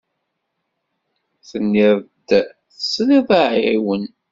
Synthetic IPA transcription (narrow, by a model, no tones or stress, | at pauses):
θənːiɾd̪ | θəsˤːliðˤaʕiwən